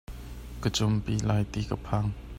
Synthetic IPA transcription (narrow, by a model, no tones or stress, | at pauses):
kət͡sʊmpilaːjt̪ikəpʰaŋ